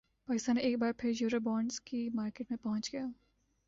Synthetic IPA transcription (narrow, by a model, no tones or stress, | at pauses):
paːkɪst̪aːnːeeːk̚baːɾpʰɪɾjuːɾobɔːɳɖzkimaːɾkeʈmẽpɐɦʊ̃t͡ʃɡɐjaː